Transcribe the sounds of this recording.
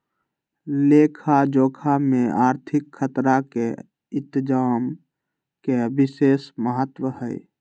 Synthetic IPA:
leːkʰad͡ʒoːkʰamẽaːɾt̪ʰɪkʰːət̪ɾake | ɪ̃t̪d͡ʒaːm | kebɪseːsməɦət̪wəhɛj

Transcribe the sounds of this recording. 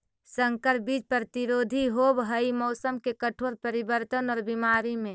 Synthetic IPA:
sə̃ŋkəɾbiːd͡ʒpɾət̪iɾoːd̪ʱiɦoːbɦəimɔːsəmkekəʈʰoːɾpəɾibəɾt̪ənɔːɾbimaːɾimẽ

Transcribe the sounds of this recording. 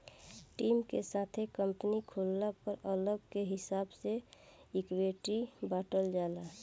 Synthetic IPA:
ʈimkesat̪ʰekəmpnikʰolːapəɾələb̚keɦɪsabseikweʈibaːʈəld͡ʒala

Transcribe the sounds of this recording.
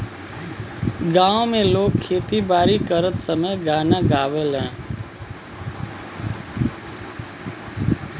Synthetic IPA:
ɡãːõmẽloːkʰːeːt̪ibaːɾikəɾət̪səməjɡaːnãːɡaːʋeːlɦɛ̃ː

